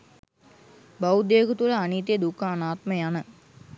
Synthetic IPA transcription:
bawd̪eːkut̪uɾəaniːt̪ejed̪ukaːnaːt̪məjanə

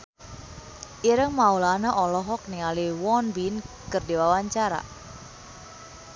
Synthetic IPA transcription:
ʔiɾəŋmaulanaʔɔlɔɦɔk̚niŋaliwɔnbin | kɨrdiwawaɲt͡ʃaɾa̰

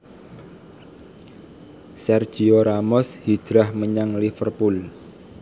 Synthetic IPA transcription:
sɛrd̥ʒ̥i̤oɾamɔshi̥d̥ɾahməɲaŋlifərpul

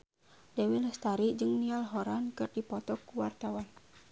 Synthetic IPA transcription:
dawiləst̪aɾid͡ʒɨŋnialɦɔɾankɨrdipɔt̪ɔkuwart̪awan

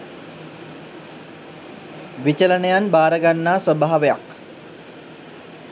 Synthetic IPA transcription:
ʋit͡ɕələnejanbaːɾəɡanːaːsəbaɦːaʋejak

